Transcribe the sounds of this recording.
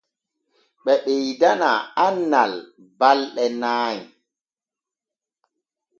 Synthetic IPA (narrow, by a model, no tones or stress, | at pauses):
ɓɛɓejdanaanːal | balɗɛnaːji